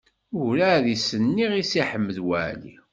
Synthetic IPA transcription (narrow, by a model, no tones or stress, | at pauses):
ʊɾæðisənːiʁisiħəmːəðwæ̰ʕlḭ